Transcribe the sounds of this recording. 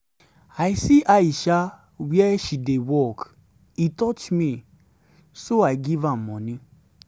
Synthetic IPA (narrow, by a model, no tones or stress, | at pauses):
ajsiʔaiʃa | wiɛʃidewɔk | itɔt͡ʃmĩ | soajɡivãmːɔ̃nĩ